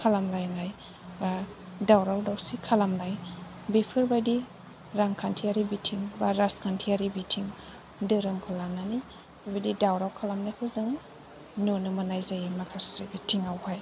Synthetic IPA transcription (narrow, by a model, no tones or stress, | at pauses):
kʰalamlajnaj | ba | dawɾawdawsikʰalamlaj | bipʰɯɾbajdi | ɾaŋkʰantʰiaɾibitʰiŋbaɾaskʰantʰiaɾibitʰiŋ | dɯɾɯmkʰɯlanani | babajdidawɾawkʰalamnajkʰɯzɯŋ | nunɯmanajzajimakʰasɯɡitʰiŋawhaj